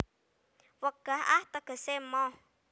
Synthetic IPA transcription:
wəɡ̥ahaht̪əɡ̥ə̤semɔ

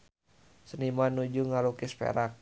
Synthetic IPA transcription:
sənimanud͡ʒuŋalukispɛ̰ɾak̚

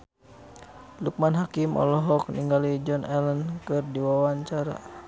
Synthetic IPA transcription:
luk̚manɦakimʔɔ̰lɔɦɔk̚niŋɡalid͡ʒɔnʔɛlənkɨrdiwawaɲt͡ʃaɾa̰

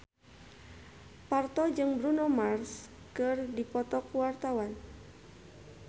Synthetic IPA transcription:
part̪ɔd͡ʒɨŋbɾunɔmars | kɨrdipɔt̪ɔkuwart̪awan

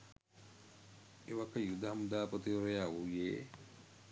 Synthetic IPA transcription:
eʋakəjud̪aɦamud̪aːpot̪ioɾɐjaːujeː

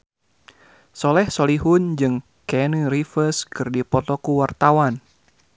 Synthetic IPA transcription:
sɔlɛhsɔliɦund͡ʒɨŋ | kɛniɾifəskɨrdipɔt̪ɔkuwart̪awan

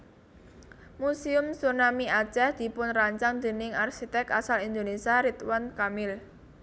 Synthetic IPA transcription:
musiʊmsunamiḁt͡ʃɛhd̪̥i̤pʊnraɲt͡ʃaŋd̪e̤nɪŋarsit̪ɛkasalind̪onesiaɾit̪wankamɪl

